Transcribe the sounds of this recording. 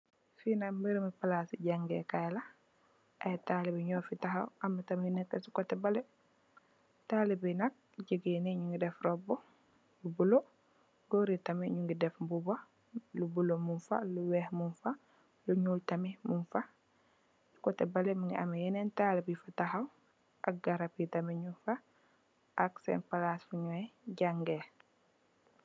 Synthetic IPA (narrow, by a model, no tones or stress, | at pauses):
finambiɾmipalasiɟaŋɡḛkajla | ʔatalibiɲɔːfitaɦawʔamːitaminɛkːesi̥kɔtɛbalɛ | taːlibinɐk̚ | ɟəɡineɲuŋɡidɛfɾɔbɔ | lubulo | ɡoɾitamiɲuŋɡidɛfbuba | lubulomunfa̰luwɛːhmunfa | luɲuːltamimunfa | kɔtɛbalɛmuŋɡiʔamejɛnɛntalibifataxaw | ʔa̰k̚ɡaɾapitamiɲunfa | ʔaksɛ̰npalasfuɲɔɛɟaŋɡe